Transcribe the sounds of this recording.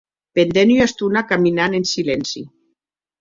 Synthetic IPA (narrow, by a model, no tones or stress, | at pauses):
pend̪enjast̪unakaminanensilɛnsḭ